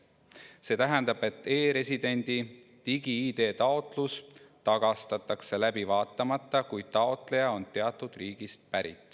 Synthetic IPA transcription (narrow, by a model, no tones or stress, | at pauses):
se̞ːt̪æɦɛnd̪̥ɑb̥e̞t̪ːˑe̞ːɾe̞sʲid̪̥e̞nʲd̪̥i | t̪iɡiiːd̪e̞ːt̪ɑo̞t̪ˑlust̪ɑɡ̥ɑst̪ɑt̪ːˑɑkse̞læbivɑːt̪ːˑɑmɑt̪ˑːɑkuj̪̥̚t̪ɑo̞t̪le̞jɑo̞nt̪e̞ɑt̪ːˑud̪̥riːɡ̥ist̪̚pæɾḭt̪ːˑ